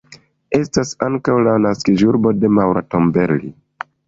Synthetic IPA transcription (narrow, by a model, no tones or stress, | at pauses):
e̞stasaŋkawlanaskiʒuɾbo̞de̞mawɾato̞mbe̞ɾlḭ